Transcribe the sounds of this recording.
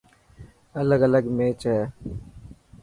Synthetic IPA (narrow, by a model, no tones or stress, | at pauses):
ələɡələɡmeːt͡ʃɦɛː